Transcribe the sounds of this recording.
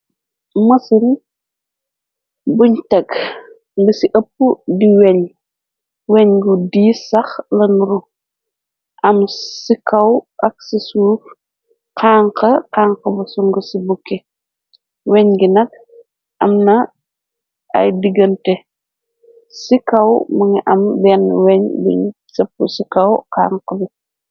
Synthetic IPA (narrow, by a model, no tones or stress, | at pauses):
mɐsin | buɲtɐk | ŋɡusiʔɐpːudiwɛɲ | wɛɲɡudiːsɐxlɐnɾu | ʔɐmsikʰɐwʔɐk̚sisuːf | qaːŋqɐqaːŋqɐbɐsuŋɡəsibukːɛ | wɛɲɡinɐk̚ | ʔɐ̰mnɐ | ɐ̰jdiɡɐntɛ | sikɐwmɐŋiʔɐmbɛnwɛɲbḭɲsɐpːusikɐwqa̰ːŋqəbi